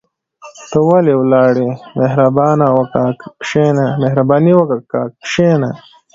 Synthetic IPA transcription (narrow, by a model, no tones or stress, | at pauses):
t̪əwalewlɑːɽemeɦɾabɑːnawɐkaːkʃenamehɾabɑːniwəkakakʃena